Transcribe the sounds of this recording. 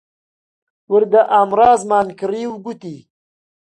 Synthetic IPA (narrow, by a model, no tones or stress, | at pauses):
wəɾd̪aʔaːmɾɑːzmɑːnkɾiːwɡut̪i